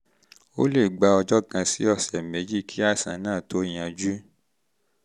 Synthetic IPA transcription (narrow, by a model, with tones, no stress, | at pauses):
o̰˦le˦˨ɡ͡ba˧ɔ˧d͡ʒɔ˦kã˧si˦ɔ˦˨sɛ˨mẽ˨˦d͡ʒi˦˨kʰi˦a˦˨sã̰˨˦nãː˦˨to˨˦j̃ã˧d͡ʒu˦